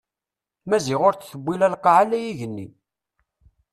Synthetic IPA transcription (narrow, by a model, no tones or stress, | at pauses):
mæziʁʊɾt͡sθəbːilælqːɑʕalæjiʝənːḭ